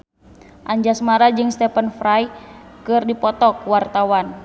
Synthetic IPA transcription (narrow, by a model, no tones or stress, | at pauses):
ʔaɲd͡ʒasmaɾad͡ʒɨŋst̪ɛpənfɾajkɨrdipɔt̪ɔkwart̪awan